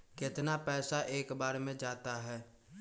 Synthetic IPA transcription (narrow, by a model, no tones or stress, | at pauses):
kɪt̪napɛːsaʔeːkbaːɾmẽd͡ʒaːt̪aɦɛː